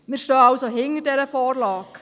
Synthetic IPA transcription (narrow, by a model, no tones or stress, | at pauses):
mɪːɾʃtøːɑwsoɦɪŋəɾdɛɾəfɔːrlɑːk